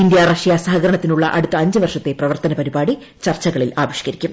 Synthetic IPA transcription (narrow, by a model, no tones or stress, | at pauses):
ind̪jarɐʂijaːsɐhɐɡɐɾɐɳɐt̪ːinuɭːɐʔɐɽut̪ːɐɐɲd͡ʑɨʋɐrʂɐt̪ːe̞prɐʋɐrt̪ɐnɐpɐɾibaːɽi | t͡ɕɐrt͡ɕːɐɣɐɭilaːʋiʂi̥kɐɾikʲːum